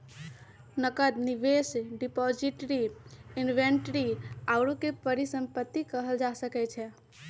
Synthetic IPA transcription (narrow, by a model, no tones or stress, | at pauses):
nəkəd̪niʋesɖipɔd͡ʒiʈɾiinʋeɳʈɾiaʊɾokepəɾisəmpət̪ːikəɦəld͡ʒasəkɛt͡ʃʰɛ